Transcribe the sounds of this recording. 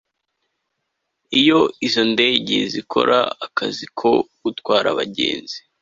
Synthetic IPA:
ijo̞izo̞nde̞ɟezikʰo̞̰ɾʔa̰akazikʰoɡutwaːɾaβaɟe̞̰ːnzi̥

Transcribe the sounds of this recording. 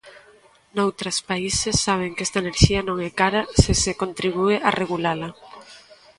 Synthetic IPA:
nowt̪ɾɐspaisesːaβ̞eŋkɛst̪ɐeneɾʃiɐnõŋɛkaɾɐsɪsekont̪ɾiβ̞ueʔarʔeɣulalɐ

